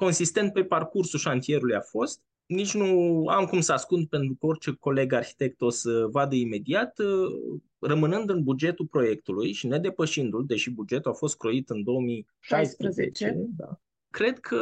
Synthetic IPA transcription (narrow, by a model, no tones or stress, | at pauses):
ko̞nsist̪e̞nt̪̚pe̞parkursuʃant̪ije̞ɾulujafo̞st̪̚ | nit͡ʃʲnua̰mkumsəaskund̪̚pe̞nt̪ɾukəorʲt͡ʃe̞ko̞le̞ɡarçi̥t̪e̞k̚t̪o̞səvad̪əime̞d̪iat̪ə | rəmɨnɨnd̪ɨnbud͡ʒe̞t̪ulpɾo̞je̞kt̪ulujʃine̞d̪e̞pəʃind̪uld̪e̞ʃibud͡ʒe̞t̪uafo̞st̪̚kɾo̞it̪ɨnd̪o̞omi | ʃajspɾəzḛt͡ʃed̪a̰ | kɾe̞d̪kʰə